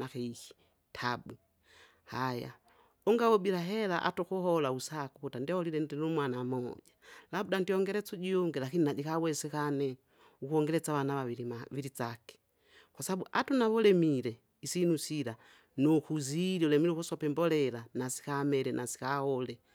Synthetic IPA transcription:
akɛihi̥ | tʰabu | haja̰ | ɔŋɡawɔbilaɦɛlaʔa̰tɔkuɦɔlausakukutandihɔlilɛndinumwanamɔʄalabudandiɔŋɡɛɾɛt͡suɟiɔŋɡɛlakininad͡ʒikawɛsɛkanɛ | ukuɔŋɡɛɾɛt͡sawanaβaiiaʋiɾit͡sakɛ̥ | kwasaaɓuʔatunaβɔlɛmilɛ | isinusiɾa | nɔkuziɾiɔlɛmiɾɛukusɔpɛmbɔlɛlanasi̥kamɛɾɛnʔasi̥kahɔlɛ

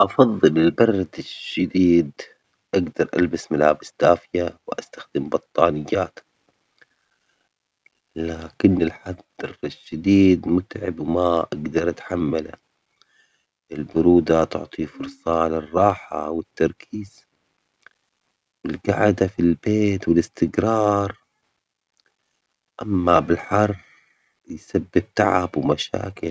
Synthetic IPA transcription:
ʔɑfɑðˤːɨlɪlbɑrˤːɑd̪ɪʃːad̪iːd̪ | ʔaɡd̪ɑɾˤʔa̰lbasmalaːbɪsd̪̥aːfɪjawɪʔast̪ḁxd̪ɪmbɑt̪ˤːɑːnɪjːaːt̪ | laːkɪnːɪlħad̪ɑrˤʃːad̪iːd̪mʊt̪ʕɪbwɪmaʔaɡd̪ɑɾˤʔat̪ħamːala̰ | ʔɪlbʊɾuːd̪at̪ʊ̰ʕt̪ˤifʊɾˤsˤɑlɪrˤːɑːħa̰wɪt̪ːɑɾˤkʰiːz̥ | wɪlɡa̰ʕd̪afilbeːt̪wɪlɪst̪ɪɡɾɑːɾˤ | ʔamːabɪlħɑrˤː | jsabːɪt̚t̪ːaʕa̰bwmaʃa̰ːkɪ

